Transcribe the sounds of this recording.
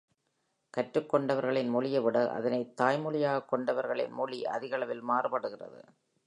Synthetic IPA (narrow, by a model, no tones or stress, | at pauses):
kɐʈrɯkːɔɳɖɐʋɐɾɣɐɭɪnmɔɭɪjɐʋɪɽɐʔɐ̰ðɐnɐɪt̪ːaːjmʊɭɪjaːɣɐkːɔɳɖɐʋɐɾɣɐɭɪ̰nmɔliʔɐ̰ðɪɣɐɭɐʋɪlmaːrɯpɐɽɯɣɪrɐ̰ðɯ̰